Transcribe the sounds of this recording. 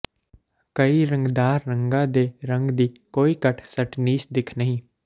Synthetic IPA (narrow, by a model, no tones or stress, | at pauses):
kəiːɾə̃ŋɡd̪aːɾːə̃ŋɡãːd̪eːɾə̃ŋɡd̪iːkoːiːkəʈʰsəʈniːsd̪ɪkʰnəɦĩː